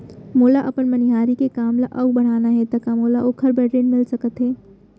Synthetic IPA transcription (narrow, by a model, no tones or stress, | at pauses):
moːlaʔɐpənmənɪɦaːɾikekaːmlaʔɐbbɐɽ̤aːnaɦɛt̪ɐkamoːlaʔoːkʰəɾbɛːʈɾeːnmɪlsɐkət̪ɦɛː